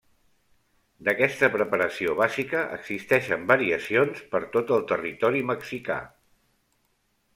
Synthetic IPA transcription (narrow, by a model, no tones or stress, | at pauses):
d̪əkɛst̪əpɾəpəɾəsioβazikəʔə̰ɡz̥ist̪ɛʃəmbəɾiəsionspəɾt̪ot̪əlˠt̪ərit̪ɔɾiməksika̰